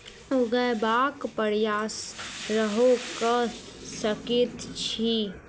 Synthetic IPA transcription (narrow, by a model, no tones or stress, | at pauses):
ʊɡəbaːkpəɾjaːsɾəɦokəsəkit̪t͡ʃʰi